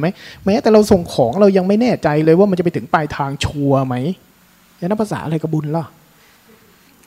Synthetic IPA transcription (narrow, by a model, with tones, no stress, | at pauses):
ma˦˥jmɛː˦˥t̪ɛː˨˩ɾa˧wso˨˩ŋkʰɔː˩˦ŋɾa˧wja˧ŋma˥˩jnɛː˥˩t͡ɕa˧jlɤː˧jwaː˥˩a˧nt͡ɕpa˧jt̪ʰɯ˩˦ŋpaː˧jt̪ʰaː˧ŋt͡ɕʰu˧ɐma˦˥j | ja˧na˦˥pʰa˧sa̰ː˩˦ʔa˧ɾa˧jka˧˩bu˧nla˧˩